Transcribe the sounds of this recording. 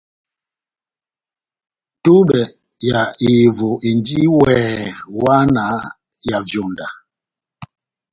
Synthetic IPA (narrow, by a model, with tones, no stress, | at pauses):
tu˦ɓɛ˨ | ja˨i˨vɔ˨ʔi˨ndi˦wɛː˨wa˦na˨˦ja˨vjɔ˨nda˨